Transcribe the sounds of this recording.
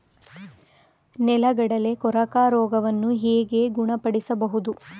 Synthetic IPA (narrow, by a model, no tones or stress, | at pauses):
nɛlɐɡɐɽɐle̞kɔɾɐkaːɾɔːɡɐʋɐnːuɦeːɡe̞ɡuɳɐpɐɽisɐbɐɦud̪u